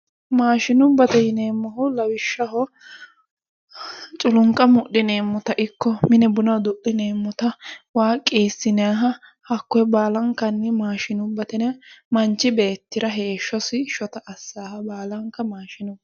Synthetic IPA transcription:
maːʃɪnʊbːɐt̪ɛjɪne̞ːmːɔɦʊlɐwɪʃːɐɦɔ | t͡ʃʼʊlʊŋkʼɐmʊʔːɪne̞ːmːʊt̪ɐʔɪkːɔmɪnɛbʊnɐwd̪ʊʔɪneːmːʊt̪ɐwaːkʼːeːsːɪnɪjaːɦɐ | hɐkːɔɛbaːlɐŋkːɐnːɛmaːʃɪnʊbːɐt̪ɛnmɐnt͡ʃːɪbe̞ːt̪ːɪɾɐɦeːʃːɔsɪʃɔt̪ɐʔɐsːaːhɐbaːlɐŋkːɐmaːʃɪnʊb

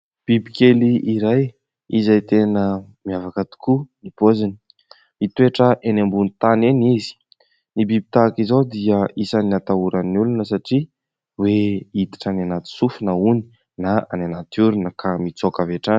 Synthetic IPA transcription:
b̥ibikeliʔiɾaj | izajt̪enəmiavakat̪u̥kunipozini̥ | it̪ueʈ͡ʂəʔenambunit̪anenizi̥ | nibibi̥t̪akizod̪iəisaniat̪auɾaniulunəsaʈ͡ʂi | weit̪i̥ʈ͡ʂananat̪i̥sufunauni̥ | naa̰nanat̪uɾunəkʰamit͡sokaveʈ͡ʂan

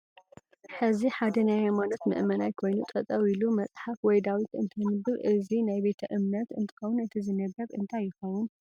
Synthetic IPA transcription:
ħɨziħad̪ɐnajhajmanot̪mɨ̰ʔmɐnajkʰo̞jnut̪ʼɐt̪ʼɐwilumɐt͡sʼħafwɔjd̪awit̪ɨnt̪ʰɐnɨbɨɾʔɨzinajbe̞t̪ʰɐʔɨmnɐt̪ɨnt̪ʰɨ̥xɐwunɨt̪ʰizɨnɐɡɐβɨ̰nt̪ʰajːɪxɐwun

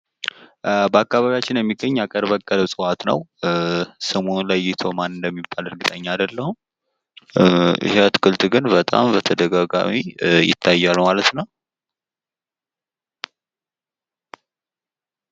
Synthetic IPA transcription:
bəakːaβaβijat͡ʃːɪnjɛmːiɡəɲːakʼəɾβəkʼːələβsʼɨwat̪nəw | səmonləjːɪt̪ʰo̞manɨnd̪əmːibːalɨɾɡɨt̪ʼəɲːaːd̪əlːəhu | ʔɪ̰heət̪ɨ̥kʰɨlt̪ɡɨnbət̪ʼa̰mbət̪ʰəd̪əɡaɡa̰mijɪ̰t̪ʰːajːalmalət̪nəw

